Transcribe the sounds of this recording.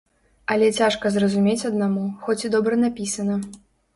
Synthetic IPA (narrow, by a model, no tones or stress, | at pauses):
ɐlʲɛt͡sʲaʂkɐzrɐzumʲet͡sʲɐd̪̚namuxɔt͡sʲid̪ɔbɾɐnapʲisɐnɐ